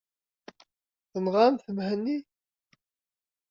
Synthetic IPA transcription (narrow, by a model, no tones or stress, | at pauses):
θənʁamθəmhənːi